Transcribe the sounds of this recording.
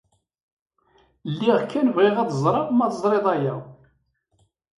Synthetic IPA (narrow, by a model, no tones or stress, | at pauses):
lːiʁkːænvʁɪʁæðəzˤɾˤɑʁmæðəzˤɾˤeðˤæjæ